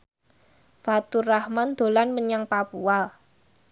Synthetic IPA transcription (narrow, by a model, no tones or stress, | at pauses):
fat̪urahmand̪̥o̤lanməɲaŋpapua